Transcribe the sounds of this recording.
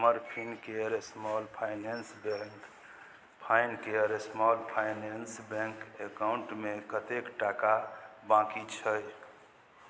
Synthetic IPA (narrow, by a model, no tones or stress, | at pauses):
məɾpʰinkeɾesmɔlpʰaɪnensb | pʰaɪnkeəɾesmɔlpʰajnensbeŋkekawuɳʈmekət̪ekʈakabãkit͡ʃʰəj